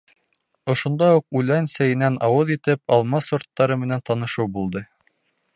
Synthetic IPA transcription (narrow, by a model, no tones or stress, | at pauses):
ŏʃŏnd̪ɑuq̚ʉlænsæjɘ̆nænʔɑwɤðit̪ɘp̚ɑlˠmɑsŏɾt̪ːɑɾɤmɘ̆nænt̪ɑnɤ̆ʃɤwbulˠd̪ɤ